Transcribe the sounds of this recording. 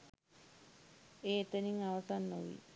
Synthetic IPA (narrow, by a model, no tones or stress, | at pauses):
eːet̪əniŋaʋasanːoʋḭ